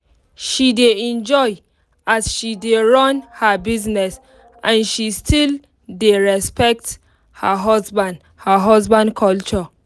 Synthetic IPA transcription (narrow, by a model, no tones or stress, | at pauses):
ʃideɛ̃nd͡ʒɔj | ʔazʃideɹɔ̃nhabiznɛs | ʔãnʃistʰil | deɹɛspɛk̚t | həɦɔzbãnd | həɦɔzbãnkʰɔlt͡ʃɔ